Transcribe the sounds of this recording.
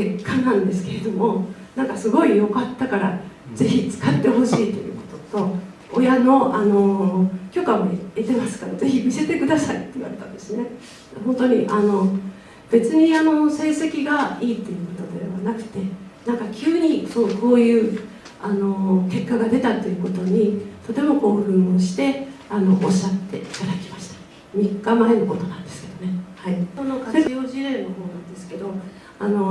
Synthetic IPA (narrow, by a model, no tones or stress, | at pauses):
kekʰːanãnd̪e̞sɨ̥ke̞ɾe̞d̪o̞mo̞nãŋkasɨɡo̞ijo̞kat̪ːakaɾaze̞çit͡sɨ̥kat̪ːe̞ɦo̞ɕiːt̪ːo̞jɯ̟̰ko̞̥t̪o̞̥t̪o̞ | ojano̞ʔano̞kʲo̞kamoet̪emasɨ̥kaɾoze̞çimʲise̞t̪e̞kɯ̟d̪asait̪ːe̞iβa̰ɾe̞t̪ã̰nd̪e̞sɨne | dɦõ̞nt̪o̞ɲ̟iʔano̞ | b̥e̞t͡sɨɲ̟iano̞se̞ːse̞kʲiɡaiːt̪ːe̞jɯ̟ko̞t̪o̞d̪e̞̰βanakɯ̟̥t̪e̞nãŋkakʲʰɨːɲ̟isoːko̞ːjɯ̟ː | ano̞ke̞kːaɡad̪e̞t̪at̪ːe̞jɯ̟ko̞t̪o̞ɲ̟it̪o̞t̪e̞mo̞ko̞ːɸɯ̟̃ɰ̃oɕi̥t̪e̞ano̞ʔoɕːat̪ːe̞̰it̪ad̪akʲimaɕi̥t̪ḁ | mʲikːamaeno̞ko̞t̪o̞nãnd̪e̞sɨ̥ke̞d̪o̞ne̞haionokajoːʑiɾẽ̞nːo̞ho̞ːnãnd̪e̞sɨ̥ke̞d̪o̞ | ano̞